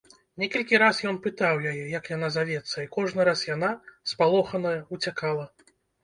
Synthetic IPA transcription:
nʲɛkɐlʲkʲiɾasjɔnpɨt̪awjajɛjɐkjanazavʲɛt̪sːɐikɔʐnɨɾasjanaspalˠɔxɐnɐjɐut͡sʲakalˠɐ

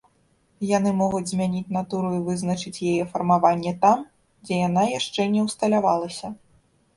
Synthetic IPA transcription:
jan̪ɨmɔɣud͡zʲzʲmʲanʲit͡sʲnat̪uɾuivɨznɐt͡ʂɨt͡sʲjɛjɛfɐrmavanʲːɛt̪am | d͡zʲɛjan̪ajaʂt͡ʂɛnʲɛwst̪ɐlʲavalˠɐsʲɐ

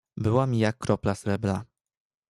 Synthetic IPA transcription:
bɘwamʲijakːɾɔplasɾɛbla

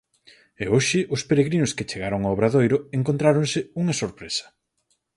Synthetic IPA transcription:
ɛoʃɪʔʊspeɾeɣɾinʊskɪt͡ʃeɣaɾoŋaoβɾaðojɾʊeŋkont̪ɾaɾoŋsɪuŋɐsoɾpɾesɐ̥

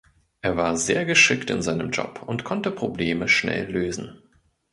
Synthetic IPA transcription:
ʔeːɐvaːɐzeːɐɡəʃɪktɪ̰nzaɪnəmd͡ʒɔ̰pʊntkʰɔntəpʁ̥obleːməʃnɛ̰lːøːzn̩

